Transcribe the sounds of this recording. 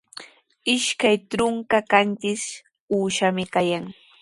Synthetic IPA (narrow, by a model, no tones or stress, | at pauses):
ɪʃkajtɾʊŋkakant͡ʃɪs | uːʃamɪkajaŋ